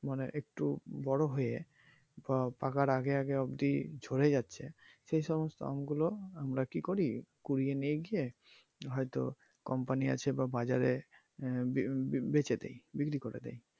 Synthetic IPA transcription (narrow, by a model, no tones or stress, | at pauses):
manḛʔek̚ʈubɔɽoɦoje | bapakaɾaɡeaɡeɔbd̪id͡ʑʱoɾed͡ʑatːɕʰeʃejʃɔmost̪o̰a̰mɡuloamɾakikoɾikuɾienijeɡije | ɦɔjt̪o̰ | kɔmpania̰t͡ɕʰebabad͡ʑaɾe | bet͡ɕed̪ḛjbikɾikoɾḛd̪ḛj